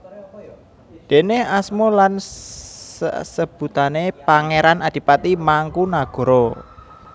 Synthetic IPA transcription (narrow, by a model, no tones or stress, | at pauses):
d̪̥e̤neasmɔlan | sə̰səb̥ṳt̪anepaŋeɾanad̪̥i̤pat̪imaŋkunaɡ̥ɔ̤ɾɔ